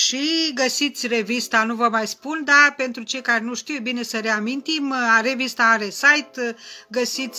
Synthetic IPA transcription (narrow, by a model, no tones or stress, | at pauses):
ʃiɡəsit̪sʲre̞vist̪anuvəmajspund̪ape̞nt̪ɾut͡ʃe̞jkarʲnuʃt̪iwebine̞səɾe̞amint̪imaɾe̞vist̪aaɾe̞sajt̪ɡəsit̪sʲ